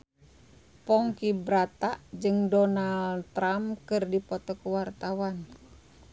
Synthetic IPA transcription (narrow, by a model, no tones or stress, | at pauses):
pɔŋkibɾat̪aʔd͡ʒɨŋdɔnalt̪ɾamkɨrdipɔt̪ɔkuwart̪awan